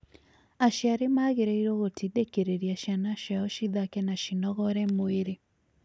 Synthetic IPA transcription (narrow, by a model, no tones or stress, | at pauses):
aʃjaɾemaːɣeɾɛiɾoɣotʰidekeɾeɾiaʃianaʃaɔʃiðakɛnaʃinɔɣɔɾɛmoeɾe